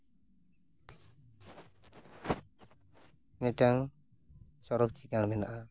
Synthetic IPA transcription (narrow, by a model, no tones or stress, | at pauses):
nɛtaŋ | sɔɾɔk̚t͡ʃikaŋbɛna̰ʔa